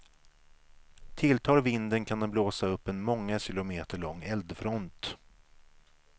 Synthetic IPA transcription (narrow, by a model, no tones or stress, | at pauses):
t̪ʰɪlt̪ʰɑːlvɪnd̪ənkʰand̪ɛmbloːsaɵpːɛnmɔŋːaɕɪlʊmeːt̪əɭɔŋːɛld̪fɾɔnt̪